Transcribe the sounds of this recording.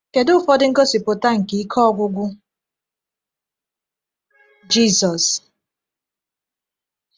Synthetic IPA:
ke˨dʊ˦fɔ˦dɪ˦ŋ̩˦ko˦si˨pʊ˨ta˦ŋ̩˨ki˨˦kʰɔ˦ɔ˦ɡʷʊ˦ɡʷʊ˦ | d͡ʒi˦˨sɔ˨s

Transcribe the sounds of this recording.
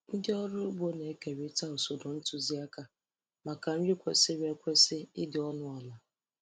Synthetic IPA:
n̩˦dɪ˦ɔ˦ɾu˦bo˦ne˨˦ke˨ɾe˦ta˦o˨so˨dɔ˨n̩˦tu˦zi˦a˦ka˨ | ma˨ka˨n̩˦ɾi˦kʷe˨sɪ˦ɾe˦kʷe˦sɪ˦ɪ˦dɪ˨ɔ˦nʊ˦ɔ˨la˨

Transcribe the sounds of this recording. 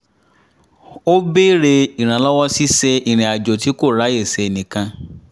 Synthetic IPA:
o˦be˦ɾe˨i˨ɾ̃ã˨la˦wɔ˦si˦se˦ʔi˨ɾ̃ĩ˨a˨d͡ʒo˨ti˦ko˦˨ɾa˦je˨se˨nĩ˨kã˦

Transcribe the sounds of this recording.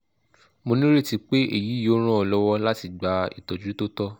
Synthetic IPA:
mo˧nĩ˦ɾe˦˨ti˨˧k͡pe˦ʔḛ˨ji˨˦jo˨˦ɾ̃ã˦ɔ˧lɔ˦wɔ˦la˦ti˧ɡ͡ba˨ḭ˨tɔ˨d͡ʒɾu˨˦to˦tɔ˦

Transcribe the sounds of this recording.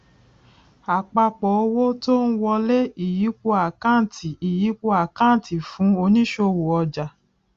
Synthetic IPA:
a˨k͡pa˧k͡pɔ˨˦o˧wo˦to˦ñ̩˦wɔ˧lɛ˦i˦˨ji˨˦k͡po˧a˨kã˦˨tʰi˨i˨ji˨˦k͡po˧˦a˨kã˦˨tʰi˨fũ˨˦o˧nĩ˦ʃo˧wo˨ɔ˧d͡ʒa˨

